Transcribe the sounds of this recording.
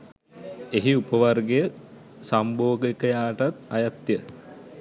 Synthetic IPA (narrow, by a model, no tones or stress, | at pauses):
eɦiupəʋarɡejə | samboːɡekəjaːʈat̪ajat̪jə